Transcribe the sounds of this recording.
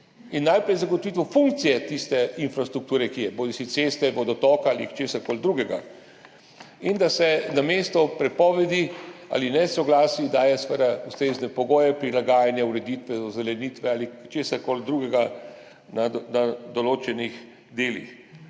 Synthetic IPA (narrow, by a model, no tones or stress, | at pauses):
inːajpɾɛjzaɡɔt̪ɔʋit̪ʋɔfuŋk̚t̪sijɛt̪ist̪ɛinfɾast̪ɾukt̪uːɾɛkijɛboːlisisest̪ɛʋɔd̪ɔt̪ɔːkaalit͡ʃeːsaɾkold̪ɾuːɡɛɡa̰ | ind̪asɛnameːst̪ɔpɾɛpɔːʋɛd̪ia̰linɛsɔɡlaːsid̪aːjɛsʋəd̪aust̪ɾeːznɛpɔɡoːjɛpɾilaɡaːjanjauɾɛd̪it̪ʋɛzɔzɛlɛniːt̪ʋɛalit͡ʃeːsaɾkold̪ɾuːɡɛɡa | nanad̪ɔloːt͡ʃɛnix | d̪eːlḭx